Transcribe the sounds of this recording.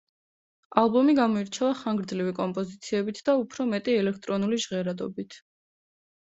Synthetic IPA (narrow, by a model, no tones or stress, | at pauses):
alˠbɔmiɡamɔiɾt͡ʃʰɛvaχaŋɡɾd̪zlivikʼɔmpʼɔzit̪sʰiɛbit̪ʰd̪̥aupʰɾɔmɛt̪ʼiɛlɛk̚ʰt̪ʼɾɔnuliʒʁɛɾad̪ɔbit̪ʰ